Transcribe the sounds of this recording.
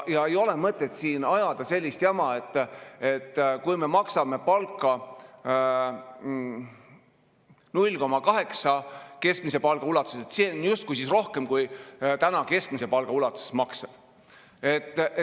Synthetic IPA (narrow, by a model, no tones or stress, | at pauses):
jɑe̞jo̞le̞mɤt̪ˑːe̞t̪siːnɑjɑd̪̥ɑse̞lʲːist̪jɑmɑe̞t̪ːˑe̞t̪ːˑkujme̞mɑksɑme̞pɑlkːˑɑ | nulʲːko̞mɑkɑɦe̞ksɑke̞skmise̞pɑlɡ̥ɑulɑt̪u̥seset̪sinjust̪kujsisro̞hke̞mkujt̪ænɑke̞sk̚mise̞pɑlɡ̥ɑulɑt̪ːˑuse̥smɑkseb̥ | e̞t̪ːˑ